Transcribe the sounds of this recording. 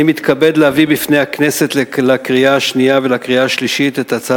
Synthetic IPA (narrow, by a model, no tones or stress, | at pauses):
imit̪kabe̞d̪leavibifne̞jakne̞se̞t̪lelakʁiaːʃniavelakʁiaːʃliʃit̪et̪at͡sa